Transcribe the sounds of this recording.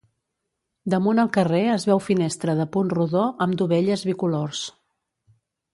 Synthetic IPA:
d̪əmunəlˠkəreəzβɛwfinest̪ɾəðəpunruðoʔəmd̪uβɛʎəzβikulors

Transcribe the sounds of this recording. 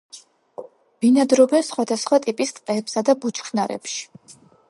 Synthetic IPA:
b̥inad̪ɾɔbɛnsχwad̪asχwat̪ʼipʼist̪ʼqʼɛːpsad̪abut͡ʃʰχʰnaɾɛ̰pʃi̥

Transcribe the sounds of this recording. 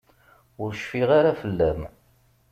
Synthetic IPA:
ʊɾʃfiʁaɾafəlːæm

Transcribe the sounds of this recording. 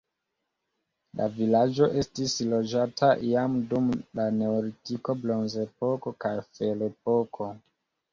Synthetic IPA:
lʔa̰vilad͡ʒo̞ʔe̞stislo̞d͡ʒatʰaʔiamdumlane̞oɾitiko̞blo̞nzepo̞ko̞kajfelep̚okʰo̞

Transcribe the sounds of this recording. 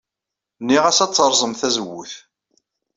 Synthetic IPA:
nːiʁæsæt͡sːəɾˤzˤəmθæzəwːṵθ

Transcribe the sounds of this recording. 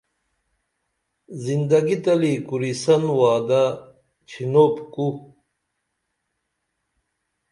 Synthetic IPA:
zind̪ɐɡit̪ɐlikuɾisɐnwaːd̪a | t͡ɕʰinopku

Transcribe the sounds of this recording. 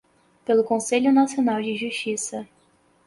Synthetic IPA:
pelʊkõseʎʊnasionawd͡ʒɪʒuʃt͡ʃisɐ

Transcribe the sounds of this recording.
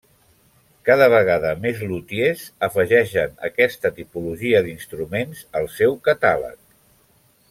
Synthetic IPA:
kaðəβ̞əɣ̞aðəmezlut̪iezəfəʒɛʃənə̰kɛst̪ət̪ipuluʒiəðinst̪ɾumenzəlˠsɛwkət̪alə̰k̚

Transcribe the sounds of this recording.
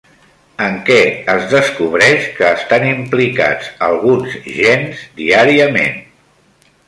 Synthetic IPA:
əŋkɛəzðəskuβ̞ɾɛʃkəːst̪animplika̰d͡zəlˠɣunzʒenzd̪iaɾiəmḛn

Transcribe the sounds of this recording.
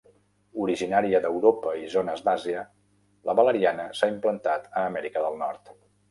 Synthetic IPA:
uɾiʒinaɾiəd̪əwɾopəizonəzd̪aziə | ləβələɾianəsaimplənt̪at̪əːmɛɾikəðəlˠnɔɾt̪

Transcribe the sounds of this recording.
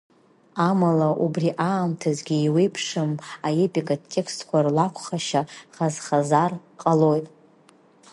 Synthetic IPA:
amalaʔubriʔaːmtʰazɡʲiːwe̞jpʰʂɨmaepʼikʼatʰʼːe̞kstʰkʷʰarlakʷʰχaʃaχazχazarqʼalo̞jtʼ

